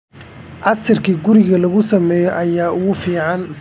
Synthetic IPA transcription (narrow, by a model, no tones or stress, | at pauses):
ʕɑsɪrkʰiːɡʊɾɪɣɐlɐɣʊsɐmɛːjɔʔɐjaːʔʊɣʊfiːʕɑn